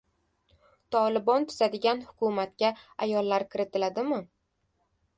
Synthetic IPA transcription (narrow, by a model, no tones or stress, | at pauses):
t̪ʰɒlˠɪbɒnt̪ʰʊz̥ad̪ɪɡʲanhʊ̥kʰʊmat̪̚kʲaajɒlˠːaɾkʰʲɪɾɪt̪ʰɪlad̪ɪmɪ